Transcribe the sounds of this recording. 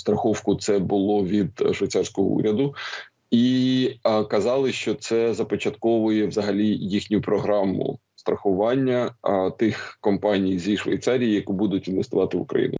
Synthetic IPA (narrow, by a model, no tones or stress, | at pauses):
st̪ɾɐxɔwkʊt̪sɛbʊlˠɔʋʲid̪ʃʋɐjt̪sɑrsʲkɔɦɔ̰ṵɾʲɐd̪ʊ | i | kɐzɑlˠɪʃt͡ʃɔt̪sɛzɐpɔt͡ʃɐt̪kɔʋʊjɛʋzɐɦɐlʲijixnʲʊpɾɔɦɾɑmʊ̰ | st̪ɾɐxʊʋɑnʲːɐt̪ɪxkɔmpɑnʲijzʲiʃʋɐjt̪sɑɾʲijijɐkubud̪ʊtʲinʋʲest̪ʊʋɑt̪ɪʋʊ̰kɾɐ̰jḭnʊ